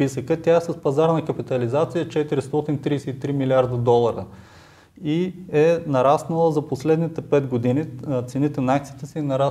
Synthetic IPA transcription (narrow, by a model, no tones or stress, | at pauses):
pisəkət̪ʲaɛsɐspɐzaɾnɐkəpit̪ɐlizat̪sijət͡ʃɛt̪iɾist̪ɔt̪int̪ɾijsɛit̪ɾimiliaɾd̪əd̪ɔlˠɐɾə | iɛnɐɾasnəlˠəzɐposlɛd̪nit̪ɛpɛd̪ɡod̪init̪sɛnit̪ɛnɐakt̪siːt̪ɛsɛinɐɾa